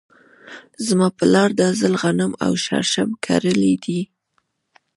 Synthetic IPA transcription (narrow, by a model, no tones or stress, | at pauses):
zmɑpəlɑɾd̪azəlɣanəma̰wʃa̰ɾʃamkʰa̰ɾəlid̪i